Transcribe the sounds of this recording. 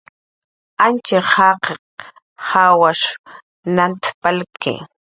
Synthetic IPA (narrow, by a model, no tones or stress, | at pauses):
ant͡ʃeχaqeq | hawaʃ | nant̪palkḛ